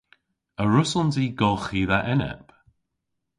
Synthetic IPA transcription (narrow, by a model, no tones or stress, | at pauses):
əɹʊsəlˠndziːɡɔlˠxiːðaʔɛnɛ̰p